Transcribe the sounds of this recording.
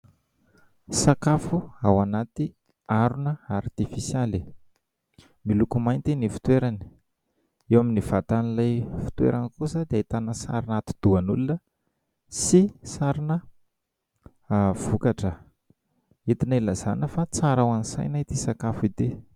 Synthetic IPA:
sakafuawanat̪i | aɾunəaɾt̪ifisjali | milukumajnt̪inifi̥t̪weɾani̥ | ewaminiv̥at̪anilajfi̥t̪wḛɾʔanikusəd̪eit̪anəsa̰ɾinat̪i̥d̪̥uanulunə | sisaɾinə | v̥ukaʈ͡ʂə | it̪inilaz̥anəfat͡saɾawansa̰jnait̪isakafuid̪e

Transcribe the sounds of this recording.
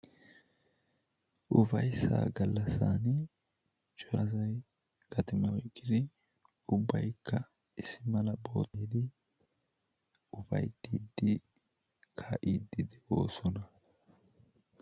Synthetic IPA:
ʔʊfɐjsa̰ːɡɐlːɐsaːn | t͡ʃʼɔɐzɐj | kɐt̪ɪmɐwɔjkʼːɪd̪ɪ | ʊbːɐjkʰːɐ | ɪsːɪmɐlɐbo̞ːt̪iːd̪ɪ | ʊfɐ̰jd̪iːd̪ːɪ | kʰaʔiːd̪ːɪd̪ɪʔo̞̰ːsɔnɐ

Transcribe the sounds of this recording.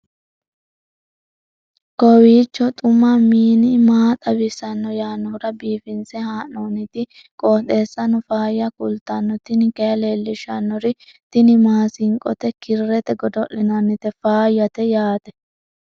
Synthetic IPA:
kɔwiːt͡ʃːɔt̪ʼʊmːamiːnɪmaːt̪ʼɐbɪsɐnːɔjaːnːɔʊɾɐbiːfɪnsɛhaːʔoːnɪt̪ɪ | kʼɔːt̪e̞ːsːɐnɔfaːjːɐkʊlt̪ɐnːɔt̪ɪnɪkɛjɐleːlːɪʃɐnːɔɾɪt̪ɪnɪmaːsɪŋkʼɔ̰t̪ɛkɪrːɛt̪ɛɡɔd̪ɔʔɪnɐnːɪt̪ɛfaːjːɐt̪ɛjaːt̪ɛ

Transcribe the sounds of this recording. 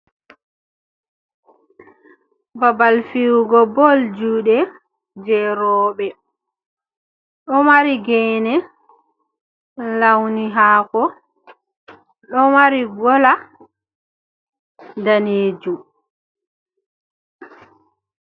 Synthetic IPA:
babalfiwɡɔbɔld͡ʒuːɗɛ | d͡ʒɛɾɔːɓɛ | ɗɔmaɾiɡɛnɛ | lawniɦaːkɔ | ɗɔmaɾiɡɔla | daneːd͡ʒum

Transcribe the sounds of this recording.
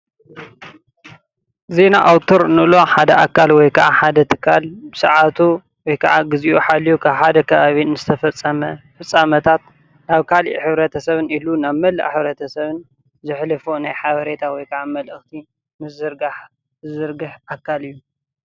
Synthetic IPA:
ze̞na̰ʔawt̪ʰoɾnɨlo̞ħad̪ɐʔakʰːalwɔjkʰɐʕaħad̪ɐt̪ʰɨ̥kʰːalbɨsɐʕat̪ʰu | wɔjkʰɐʕaɡɨziʔuħalːijukʰaβħad̪ɐkʰɐβaβinɨzɨt̪ʰɐfɐt͡sʼːɐmɐfɨt͡sʼːamɐt̪ʰat̪̚ | naβkʰalḭʔħɨβɾɐt̪ʰɐsɐβɨnilunaβmɐlːɐ̰ʔħɨβɾɐt̪ʰɐsɐβɨn | zɨħlɨfonajħaβɐɾe̞t̪ʰawɔjkʰɐʕamɐlɨxt̪ʰi | mɨszɨɾɡaħ | zɨɾɡɨħʔakʰːalɨjːu

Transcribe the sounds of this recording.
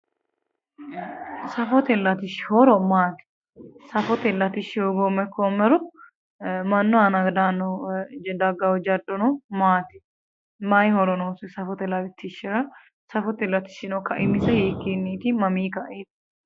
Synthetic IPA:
sɐfɔt̪ɛlːɐt̪ɪʃhɔɾɔmaːt̪ɪ̥ | sɐfɔt̪ɛlːɐt̪ɪʃɪjoɡomɛkːomːɛɾɔ | mɐnːɔanɐɡd̪aːnːɔd̪ɐɡɐwɔd͡ʒɐd̪ɔnɔmaːt̪ɪ̥ | maːjhɔɾɔnoːsʊsɐfɔt̪ɛlːɐt̪ɪt̪ʰːɪʃɪɾɐ | sɐfɔt̪ɛlːɐt̪ɪ̥ʃɪnɔkɐʔɪmːɪsɐheːkːeːnːiːt̪ɪmɐmiːkɐʔeːt̪

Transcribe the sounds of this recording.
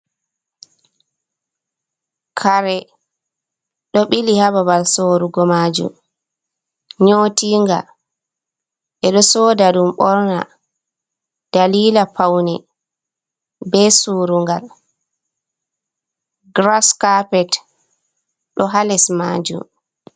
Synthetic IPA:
kʰaɾɛ | ɗɔɓilihababalsoːɾuɡɔmaːd͡ʒṵm | ɲoːtiŋɡa̰ | ʔɛɗɔsoːdaɗumɓɔɾna̰ | d̥aliːlapawnɛ | bɛsuːɾuŋɡal | ɡɾaskapɛt | ɗɔɦalɛsmaːd͡ʒṵm

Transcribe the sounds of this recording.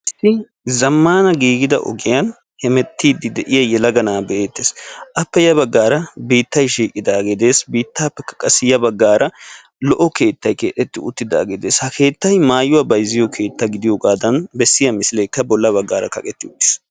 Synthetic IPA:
ɪsɪ | zɐmːaːnɐɡiːɡɪd̪ɐ̰ʔɔ̰ɡɪjɐn | hɛmɛt̪ːiːd̪ːɪd̪ɛʔɪjɐjɛlɐɡɐnaːbɛʔeːt̪ːeːsʔɐpːɛjɐbɐɡːaːɾɐbiːt̪ːɐjʃiːkʼɪd̪aːɡɛd̪e̞ːsbiːt̪ːaːpːɛkːɐ̥kʼɐsːɪjɐbɐɡːaːɾʔɐ | lɔʔɔke̞ːt̪ːɐjke̞ːᶑɛt̪ːɪʊt̪ːɪd̪a̰ːɡed̪eːshɐkʰe̞ːt̪ːɐjmaːjʊwɐbɐjzɪjɔkʰe̞ːt̪ːɐɡɪd̪ɪjɔɡaːd̪ɐnbɛsːɪjɐmɪsɪlɛjkːɐbɔlːɐβɐɡːaːɾɐ̰kɐ̰kʼɛt̪ːɪʊt̪ːɪ̥s

